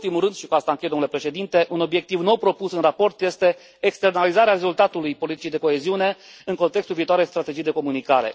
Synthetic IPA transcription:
t̪imulrɨnd̪ʃikuast̪aɨŋkejd̪omnlepɾe̞ʃe̞d̪int̪e̞ʔuno̞bje̞k̚t̪ivno̞wpɾo̞pusɨnrapo̞rt̪je̞st̪e̞ː | kst̪ernalizaɾeare̞zult̪at̪ulujpo̞lit̪i̥t͡ʃijd̪e̞ko̞eziune̞ɨŋko̞nt̪ekst̪ulviːt̪oaɾest̪ɾat̪e̞d͡ʒijd̪e̞ko̞munikaɾe̞̰

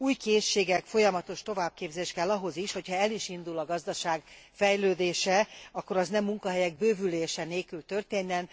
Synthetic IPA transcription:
uːjkeːʃːeːɡɛkfo̞jɒmɒt̪o̞ʃt̪o̞vaːb̚keːbzeːʃkɛlːɒɦo̞ziʃho̞cʰhɒɛliʃind̪ulɒɡɒzd̪ɒʃaːɡ | fɛjløːd̪eːʃɛɒkːo̞ɾɒznɛmːuŋkɒɦɛjɛɡ̚bøːvyleːʃɛneːlkylt̪ø̞rt̪eːnːɛn

